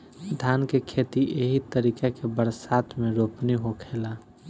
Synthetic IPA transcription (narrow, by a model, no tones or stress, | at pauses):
d̪ʱaːnkekʰeːt̪iʔeɦit̪əɾiːkekebəɾsaːt̪ʰmẽɾoːpniɦokʰeːla